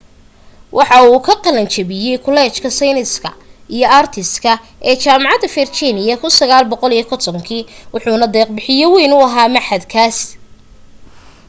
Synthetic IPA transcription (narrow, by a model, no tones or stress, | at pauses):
wʔɑħɑuːkʰɐqɑlɐnt͡ʃʰɐβɪjɛjkʰʊlɛːt͡ʃkʰɐsɛjnɪskʰɐ̰ijɞaːrt̪ʰɪskʰɐ | ʔɛːt͡ʃaːmɑʕɑd̪ɐfɛrt͡ʃinɪjɐkʰʊnsɐɣaːlbɔqɔlijɔkʰɔrt̪ʰɔŋkʰiːwʊħuːnɐd̪ɛːq̚bɪħɪjɔwɛjnʊɐɦaːmɐħɐd̪kʰaːs